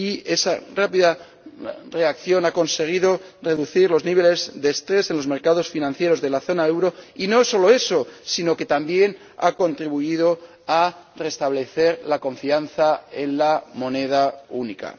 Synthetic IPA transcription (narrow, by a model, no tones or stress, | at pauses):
ie̞sarapiða | re̞akθjo̞nako̞nse̞ɣ̞iðo̞re̞ðuθiɾlo̞zniβ̞e̞le̞zðe̞ːst̪ɾe̞se̞nlo̞zme̞ɾkað̞o̞sfinãn̟θje̞ɾo̞zðe̞laθo̞nae̞wɾo̞ino̞so̞lo̞e̞so̞sino̞ke̞t̪ambje̞n | a̰ko̞nt̪ɾiβuiðo̞ | are̞st̪aβ̞le̞θe̞ɾlako̞ɱfian̟θae̞nlamo̞ne̞ð̞aunika̰